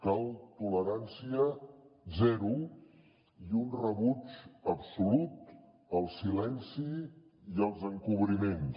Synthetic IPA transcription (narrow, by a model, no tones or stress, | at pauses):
kalˠt̪uləɾansiəzɛɾu | iunrəβut͡ʃəpsulut̪ | əlˠsilɛnsi | iəlˠzəŋkuβ̞ɾimen